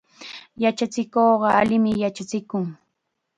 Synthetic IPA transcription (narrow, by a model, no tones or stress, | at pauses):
jat͡ʃat͡sɪkoɢɑalɪmɪjat͡ʃat͡sɪkʊŋ